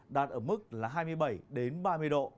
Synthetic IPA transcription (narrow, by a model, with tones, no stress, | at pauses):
ɗaː˨˩t̚ʔəː˧˩mɨ˦˥k̚laː˨˩ɦaː˧jmɨ˧əjɓə˧˩jɗe˨˦nɓaː˧mɨ˧əjɗo̰˧˨